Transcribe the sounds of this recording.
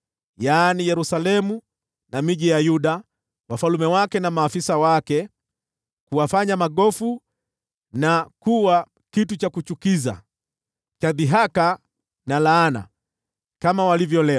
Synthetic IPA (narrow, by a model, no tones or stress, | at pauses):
jaːnijɛɾusalɛmu | namiʄijajuɗa | wafalumɛwakɛnamaːfisawakɛ | kuwafaɲamaɠɔfu | nakuwa | kitut͡ʃakut͡ʃukiza̰ | t͡ʃaðiɦaka | nalaːna̰ | kamawalivjɔlɛ